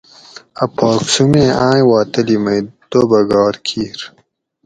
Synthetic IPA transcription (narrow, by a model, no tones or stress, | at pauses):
ɐpʰoːksumẽãːjwaːt̪ɐlimɐjd̪̥obɐɡɑːɾkʰiːɾ